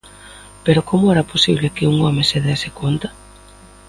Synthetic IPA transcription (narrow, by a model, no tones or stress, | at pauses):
peɾokomʊɛɾɐposiβlekɪuŋɔmeseðesekont̪ḁ